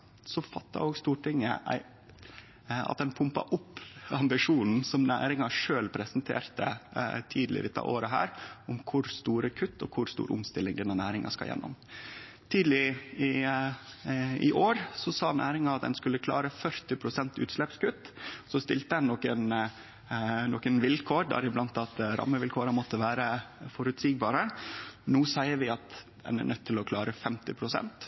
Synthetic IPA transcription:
sɔfɑt̪ːɑ̰oːɡst̪uːʈʰɪŋə̰ʔæ̰ɪ | ɑ̰t̪̚d̪ɛnpʰʊmpɑ̰ʔʊpːɑmbɪʂuːnn̩sɔmnæ̰ːɾɪŋɑʂøːlpʰɾɛsənt̪ʰḛːɾt̪ə̰t̪ʰiːd̪lɪ̰ɾɪt̪ːɑ̰ʔoːɾəɦæ̰ːɾʊmkʰʊɾst̪uːɾəkʰʉt̪ːɔ̰kʰʊɾst̪ṵːɾʔʊ̰mst̪ɪlːɪŋd̪ɛnənæːɾɪŋɑ̰skɑ̰ljɛ̰nːɔ̰m | t̪ʰiːd̪lɪɪ | ɪʔoːɾsɔsɑːnæːɾɪŋɑɑt̪̚d̪ɛ̰nskʉlːəkʰlɑ̰ːɾəfœɾt̪ɪpʰɾʊsɛnt̪ʉ̰ːt̪slɛpskʉt̪ːsɔst̪ɪlt̪əɛnnɔkən | noːkənʋɪlkʰoːɾɖæ̰ːɾɪblɑnt̪ɑt̪ɾʔɑ̰mːəʋɪlkʰoːɾəmɔt̪ːəʋæːɾəfɔɾʉt̪siːɡ̚bɑːɾənuːsæɪəɾʋɪɑt̪ | d̪ɛ̰nɛ̰ɳʔœt̪ʰːɪlɔkʰlɑːɾəfɛmt̪ɪpʰɾʊsɛ̰nt̪

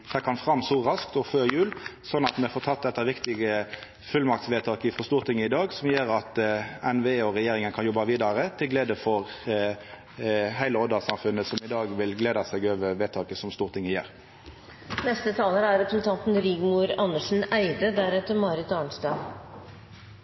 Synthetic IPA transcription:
t̪ʰɛkɑnfʁɑmːsuːʁɑskt̪ɔføːɾjʉːlsɔnːɑt̪mɛfoːt̪ʰɑt̪̚ːd̪ɛt̪ːɑʋɪkt̪ɪɡə | fʉlmɑkt̪sʋeːt̪ʰɑːkəfɔst̪uːʁt̪ʰɪŋːəɪd̪ɑːɡsɔmjeːɾɑt̪ɛnʋeːɔʁɛjeːɾɪŋənkʰɑnjɔbːɑʋiːd̪ɑɾət̪ʰɪlɡleːd̪əfɔʁ | hæɪləɔd̪əsɑmfʉnːəsɔmɪd̪ɑːɡʋɪlɡleːd̪ɑsɛːɡøːʋəʋeːt̪ʰɑːkəsɔmst̪uːʁt̪ʰɪŋːəjḛːʁ | nɛst̪ət̪ʰɑːləɾæɾɾɛpɾəsən̩t̪ʰɑnt̪n̩ɾɪːɡmuɾɑnːəʂn̩æɪd̪əd̪æɾɛt̪əɾmɑɾɪt̪ɑːɳst̪ɑː

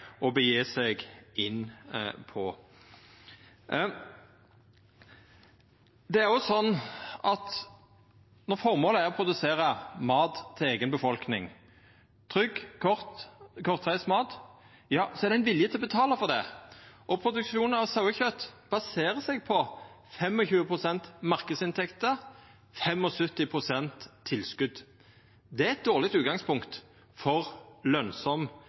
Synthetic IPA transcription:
ɔbəjeːsɛɡɪnːpʰɔ | d̪ɛæʁɔsɔnːʔɑt̪ | nɔʁfɔʁmoːləæʁɔpʰʁʊd̪ʉseːɾəmɑːt̪ʰːɪleːɡənbəfɔlknɪŋ | t̪ʰʁʏɡkʰɔʁt̪kʰɔʁt̪ʰʁæɪsmɑːt̪ | jɑːsɔɛæʁd̪ɛɪnʋɪljət̪ʰɪlɔbət̪ʰɑːləfɔʁd̪ɛ̰ʔɔpʰɾʊd̪ʉkʂuːnənɑʋsɑʉəçœt̪ːb̥ɑseːɾəsɛɡ̚pʰɔ | fɛmɔçʉːəpʰʁʊsɛnt̪mɑʁkəd̪sɪnt̪ʰɛkt̪ə | fɛmɔsœt̪ɪpʰʁʊsɛnt̪ʰːɪlskʉd̪ | d̪ɛæɾɛt̪̚d̪oːʁlɪk̚t̪ʉːɡɑŋspʰʊŋkt̪ | fɔʁlœnsɔm

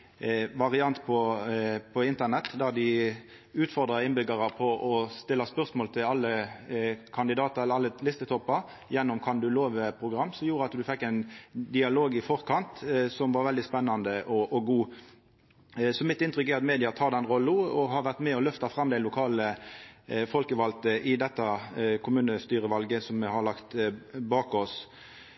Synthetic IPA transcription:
ʋɑʁɪɑnt̪pʰɔpʰɔɪnt̪ənɛt̪ːd̪æʁd̪ɪ | ʉːt̪fɔʁd̪ʁɑɪnbʏɡəʁɑpʰɔʔɔst̪ɪlːɑspœʁsmoːlt̪ʰɪlɑlːə | kʰɑnd̪ɪd̪ɑːt̪əʁɛlːəɑlːəlɪst̪ət̪ʰɔpːɑɾ | jɛnːɔmkʰɑnd̪ʉloːʋəpʰʁʊɡɾɑmːsɔmjuːɾəɑt̪d̪ʉfɛkːɛɪnd̪ɪɑloːɡɪfɔʁkʰɑnt̪sɔmʋɑɾʋɛld̪ɪspɛnːɑnd̪əʔɔʔɔɡuː | sɔmɪt̪ːɪnt̪ʁʏkːæɾɑt̪meːd̪ɪɑt̪ʰɑːd̪ɛnʁɔlːʊɔhɑɾʋæʁt̪mɛɔlœft̪ɑfɾɑmːd̪æɪlʊkʰɑːlə | fɔlkəʋɑlt̪əʔɪd̪ɛt̪ːɑkʰʊmʉːnəst̪yːɾəʋɑlɡəsɔmːɛhɑɾlɑkt̪bɑːkɔs

